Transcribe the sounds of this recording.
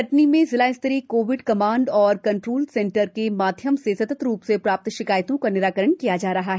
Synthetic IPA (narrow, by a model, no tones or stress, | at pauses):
ɐʈnimẽzɪlaːɪst̪ɾikoːʋɪɖkɐmaːɳɖɔːɾkɐ̃ɳʈɾoːlsẽːɳʈəɾkemaːd̪ʱjəmsesɐt̪ət̪ɾuːpsepɾaːp̚t̪ʃɪkaːjt̪õkanɪɾaːkəɾəɳkijad͡ʒaːɾɐɦaɦ